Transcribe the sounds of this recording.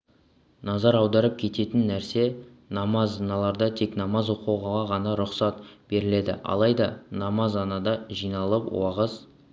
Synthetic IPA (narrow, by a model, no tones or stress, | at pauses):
nɑzɑɾɑwd̪ɑɾəp̚kʲʰe̞t̪e̞t̪ɪnːæɾse̞ | nɑmɑzɑnɑlˠɑɾd̪ɑt̪ʰe̞knɑmɑzwoquwʁɑʁɑʁɑnɑɾʊqsɑt̪b̥e̞ɾɪle̞d̪ɪ̰ʔɑ̰lˠɑjd̪ɑnɑmɑzɑnɑd̪ɑʒijnɑlˠəpwɑʁəz